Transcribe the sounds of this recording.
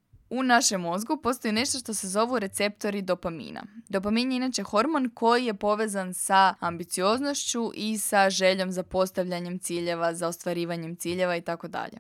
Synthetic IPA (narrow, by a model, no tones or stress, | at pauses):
unaʃe̞mo̞zɡupo̞st̪o̞jine̞ʃt̪o̞ʃt̪o̞se̞zo̞ʋuɾe̞t̪se̞pt̪o̞ɾid̪o̞pamḭːna̰d̪o̞paminjeinat͡ʃe̞xo̞ɾmo̞nko̞jije̞po̞ʋe̞ːzansaambit̪sio̞zno̞ʃt͡ɕuʔisaʒe̞ʎo̞mzapo̞st̪aʋʎaɲe̞mt̪siːʎe̞ʋazaost̪ʋaɾiːʋaɲe̞mt̪siːʎe̞ʋait̪ako̞d̪a̰ʎe̞̰